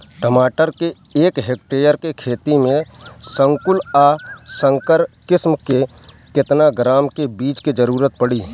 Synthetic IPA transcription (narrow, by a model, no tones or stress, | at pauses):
ʈəmaːʈəɾke | eːkɦeːk̚ʈeːjəɾkekʰeːt̪imẽsə̃ŋkʊlasə̃ŋkəɾkɪsmke | kɪt̪naɡɾaːmkebiːt͡ʃked͡ʒəɾuːɾət̪̚pəɽiː